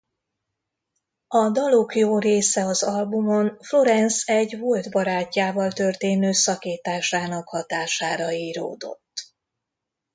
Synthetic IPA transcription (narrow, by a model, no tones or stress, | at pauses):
ɒd̪ɒlokjoːreːsɛɒzɒlbumo̞nflo̞ɾɛnsɛɟvold̪bɒɾaːcːaːvɒlt̪ø̞rt̪eːnøːsɒkeːt̪aːʃaːnɒkhɒt̪aːʃaːɾɒiːɾo̰ːd̪o̞̰t̪ː